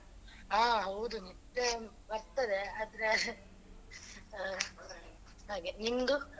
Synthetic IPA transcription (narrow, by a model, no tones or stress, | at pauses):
aːɦɐwd̪uni | e | bɐɾt̪ɐd̪eaːd̪ɐɾe | ɦaːɡenind̪u